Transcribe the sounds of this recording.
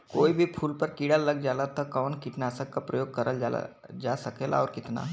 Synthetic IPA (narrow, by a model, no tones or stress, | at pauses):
koːibʱipʰuːlpɐɾkiːɽalːɐɡ̚d͡ʒaːlat̪ʰakɔːnkiʈnaːsəkːapɾəjoːɡ̚kɐɾʔəl̰ | d͡ʒaːsɐkeːla̰ɔːɾkɪt̪na̰ɦ